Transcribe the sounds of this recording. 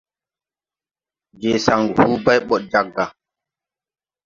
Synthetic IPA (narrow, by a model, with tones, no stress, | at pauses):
d͡ʒe˨sa˨ŋɡhu˦ba˦jɓɔ˨t̚d͡ʒa˨ɡːa˨